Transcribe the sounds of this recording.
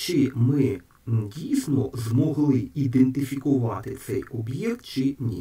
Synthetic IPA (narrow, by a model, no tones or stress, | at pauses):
t͡ʃɪmɪ | dʲijsnɔzmɔɦlˠɪid̪ent̪ɪfʲikʊʋɑt̪ɪt̪sɛjɔbjɛkt̪̚t͡ʃɪnʲḭ